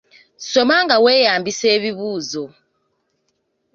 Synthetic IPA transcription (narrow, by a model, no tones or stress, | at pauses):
sɔmaŋɡawɛjambisɛːβiβuːzɔ